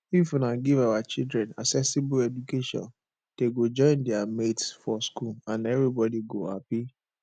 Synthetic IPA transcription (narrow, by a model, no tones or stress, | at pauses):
ifnaɡivawat͡ʃildɾɛ̃na̰ksɛsibʊɛd͡ʒukeʃɔ̰̃n | d̥eɡod͡ʒɔ̃ɪ̃ndɛametsfɔskulãnɛvɾibɔdiɡoha̰pi